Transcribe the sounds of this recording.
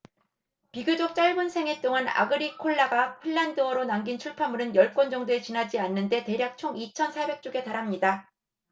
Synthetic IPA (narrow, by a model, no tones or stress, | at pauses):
piɡɯd͡ʑok̚t͡ɕ͈aɭmɯnsʰe̞ŋet͈oŋana̰ɡɯɾikʰoɭːaɡaɸʰɯɭːandɯʌɾonaŋɡint͡ɕʰuɭpʰamuɾɯnjʌɭk͈wʌnd͡ʑʌŋdoe̞t͡ɕinɦad͡ʑianːɯnde̞te̞ɾjak̚t͡ɕʰoŋit͡ɕʰʌnsʰabe̞k̚t͡ɕ͈oɡe̞taɾɦamɲida